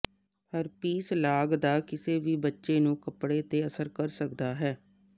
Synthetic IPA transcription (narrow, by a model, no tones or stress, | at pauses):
pəɾpiːslaːɡd̪aːkɪseːʋiːbətːʃeːnũːkəpɽeːt̪eːəsəɾkəɾsək̚d̪aːɦɛː